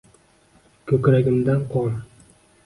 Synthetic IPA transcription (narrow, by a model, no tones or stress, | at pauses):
kʲʰɵkʲɾaɡʲɪmd̪anqʰɒn